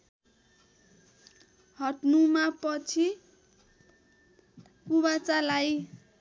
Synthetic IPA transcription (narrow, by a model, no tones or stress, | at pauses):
hʌʈnumapʌt͡sʰi | kubat͡salaj